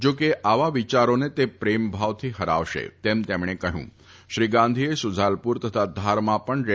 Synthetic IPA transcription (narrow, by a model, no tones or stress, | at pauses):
d͡ʒoːkeʔaʋaʋit͡ʃaɾonet̪epɾembʱaʋt̪ʰiɦəɾa̰ʋʃḛt̪emt̪emɳ̃ekəɦjṵ̃ | ʃɾiɡãnd̪ʱiesʊd͡zʱalpuɾt̪ət̪ʰad̪ʱaɾmãpəɳɾe